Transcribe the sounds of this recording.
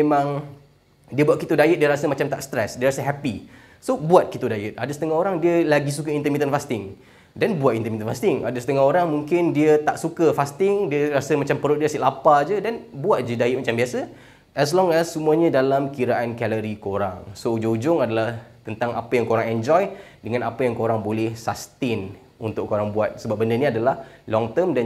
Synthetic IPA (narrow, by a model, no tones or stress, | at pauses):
memãŋ | diəbuat̪̚kit̪udajɪt̪ʔ̚diəɾasəmat͡ʃamt̪aʔst̪ɾɛsdiəɾasəɦɛpi | sobuat̪̚kit̪odajɪt̪̚adəsə̥t̪əŋahoɾaŋdiəlaɡis̬ukəint̪əmit̪ənfast̪ɪŋ | dɛnbuat̪int̪əmit̪ənfast̪ɪŋa̰dəsə̥t̪əŋaɦoɾaŋmuŋkɪndiət̪aʔsukəfast̪ɪŋdiəɾasəmat͡ʃampəɾʊʔdiəsiʔlapad͡ʒədanbuat̪̚d͡ʒədaiʔmat͡ʃambiasə | ʔɛs̬lɔŋɛsːumuaɲə̃dalamkiɾaʔankɛləɾikoɾaŋsoud͡ʒoud͡ʒʊŋadalaht̪ənt̪aŋa̰pəjaŋkoɾaŋɛnd͡ʒɔjdəŋãnapajaŋkoɾaŋbolɛhsast̪ɪn | unt̪ʊʔkoɾaŋbuat̪̚səbap̚bəndəniadalahlɔŋt̪əmdan